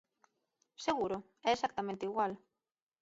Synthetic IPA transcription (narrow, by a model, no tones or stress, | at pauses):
seɣuɾo | ɛesakt̪amẽnt̪eiɣwal